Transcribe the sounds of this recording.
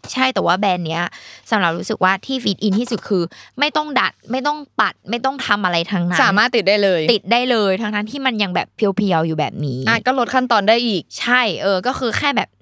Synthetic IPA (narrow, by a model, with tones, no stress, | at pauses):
t͡ɕʰa˥˩jt̪ɛː˨˩waː˥˩bɛː˧nːi˦˥ɐsa˨˩˦mɾa˨˩p̚ɾuː˦˥sɯ˨˩k̚waː˥˩t̪ʰiː˥˩fiː˨˦˩t̪ʔi˧nt̪ʰiː˥˩su˨˩kʰɯː˧ma˥˩jt̪ɔ˥˩ŋda˨˩t̪̚ma˥˩jt̪ɔ˥˩ŋpa˨˩t̪̚ma˥˩jt̪ɔ˥˩ŋt̪ʰa˧mʔa˧ɾa˧jt̪ʰaː˧ŋna˦saː˥˩˦maː˥˩t̪ːi˨˩t̪̚da˥˩jlɤː˧jt̪i˨˩t̪̚daː˥˩jlɤː˧jt̪ʰaː˦˥ŋt̪ʰa˦˥ŋt̪ʰiː˥˩ma˧nja˧ŋbɛ̰ː˨˩pʰːi˧əwpʰi˧əwjuː˨˩bɛ̰ː˨˩p̚niː˨˦ʔaː˨˩t̪̚kɔː˥˩lo˦˥t̪̚kʰa˥˩nt̪ɔː˧ndaː˥˩jʔiː˨˩k̚t͡ɕʰa˥˩jʔɤː˧kɔː˥˩kʰɯː˧xʰɛː˥˩bɛː˨˩p̚